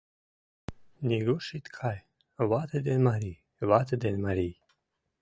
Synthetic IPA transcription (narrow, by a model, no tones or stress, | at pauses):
niɡuʃit̪kʰaj | wat̪ʰed̪enmaɾi | vat̪əd̪enmaɾi